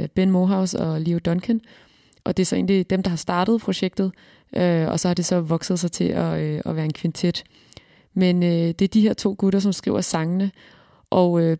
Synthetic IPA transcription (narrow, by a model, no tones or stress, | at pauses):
b̥enmoːɦɑ̈ʊsɒliod̥ɒ̽nkʰən | ʔɒ̽d̥e̝æsɒ̽e̝ːnlid̥emd̥ɑ̈hɑ̈sd̥ɑ̈ːd̥əð̩ˠpʰʁo̝ɕeɡ̥̚d̥ð̩ˠ | ʔøɒ̽sɒ̽hɑ̈d̥e̝sɒ̽ʋɒ̽ɡ̥sð̩ˠsɑ̈ɪt͡sʰe̝ʔɒɒʋæːɐe̝nkʰʋint͡sʰe̝d̥ | menød̥e̝æɐd̥iɦeɐ̰t͡sʰo̝̰ːɡ̥uɾɐs̬ɒ̽msɡ̥ʁḭːʊɐsɑ̈ŋənə | ʔɒʊø